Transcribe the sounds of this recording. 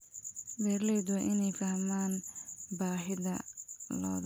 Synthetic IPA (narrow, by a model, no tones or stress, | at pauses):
bɛːɾlɛːd̪wɛʔɪnɛjfɐhmaːnbaːɦɪðɐ̰lɔ̰ːð